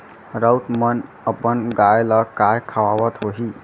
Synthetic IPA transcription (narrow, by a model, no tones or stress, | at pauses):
ɾʌwtmʌn | ʌpʌnɡajlʌkajkʰawawʌt̪ɦoɦi